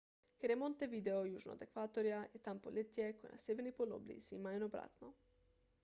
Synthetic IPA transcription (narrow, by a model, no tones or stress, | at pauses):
keɾemont̪eʋid̪eojuʒno̰d̪ekʋaːt̪oɾjajet̪ampolʲet̪ijekojena̰sʲjeʋeɾnipolo̰blḭz̥imainobɾa̰ːt̪no